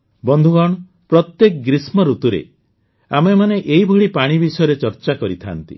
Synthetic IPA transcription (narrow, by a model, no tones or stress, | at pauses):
bɔnd̪ʱuɡɔɽ̃ɔ | pɾɔt̪jekɔɡɾismɔɾut̪uɾḛ | amemaneʔeibʱɔɽipaɽ̃ibisɔjɔɾet͡ʃɔɾt͡ʃakɔɾit̪ʰa̰nt̪ḭ